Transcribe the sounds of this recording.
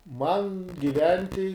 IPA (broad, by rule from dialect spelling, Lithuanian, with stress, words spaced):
mɐn ɡʲɪˈʋʲɛnʲtʲɪ